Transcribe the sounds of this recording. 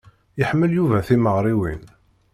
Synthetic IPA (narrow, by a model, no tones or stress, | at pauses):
jəħmːəljuvæθiməʁɾˤiwin